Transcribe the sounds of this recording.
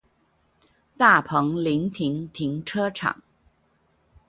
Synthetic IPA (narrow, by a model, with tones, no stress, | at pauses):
t̪a˥˩pʰɤ˧˥ŋli˧˥ŋt̪ʰi˧˥ŋt̪ʰi˧˥ŋʈ͡ʂʰɤ˥ʈ͡ʂʰɑ̰˨˩˦ŋ